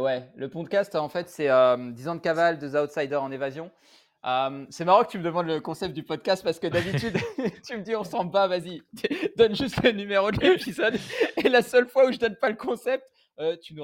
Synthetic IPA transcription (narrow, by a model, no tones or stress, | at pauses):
wɛləpɔ̃d̪kʲast̪ɑ̃fɛt̪sɛømd̪izɑ̃d̪əkavald̪əzawt̪sajd̪œʁɑ̃nevazjɔ̃ | ømsɛmaʁɑ̃kət̪yməd̪əmɑ̃d̪ləkɔ̃sɛp̚t̪̚d̪ypɔd̪̚kast̪̚paʁsə̥kəd̪abit̪yd̪t̪yməd̪iɔ̃ʁsɑ̃blpavazid̪ɔnʒyst̪lənymeʁod̪lepizɔd̪elasœlfwauʒəd̪ɔnpaləkɔ̃sɛp̚t̪ | øt̪ynu